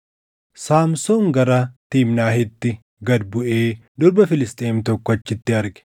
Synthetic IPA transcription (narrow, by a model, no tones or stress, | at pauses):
saːmsoːŋɡɐɾɐt̪iːmnaːɦɪt̪ːɪ | ɡɐd̪̚bʊʔeːd̪ɔɾbɐfɪlɪst̪ʼeːmt̪ɔkːɔɐt͡ʃːɪt̪ːɪɐɾɡɛ̥